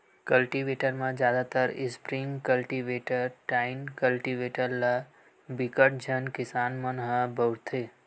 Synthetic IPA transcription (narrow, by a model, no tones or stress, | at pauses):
kəlʈiʋeʈəɾmãd͡ʒjad̪at̪əɾɪspɾiŋɡkəlʈiʋeʈəɾʈainkəlʈiʋeʈəɾla | bikəʈ̚d͡ʒʱənkɪsanmənɦəbəwɽt̪ʰe